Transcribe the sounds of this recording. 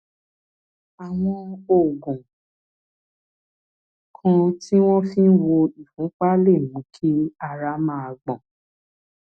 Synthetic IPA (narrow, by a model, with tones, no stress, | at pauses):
a˨w̃ɔ̃˧o˨ɡũ˨ | kʰã˧ti˦w̃ɔ̃˦fĩ˦n̩˦wo˧i˨fũ˨˦k͡pa˦le˦˨mũ˨˦kʰi˦a˧ɾa˧˦mã˧˦a˧ɡ͡bɔ̃˨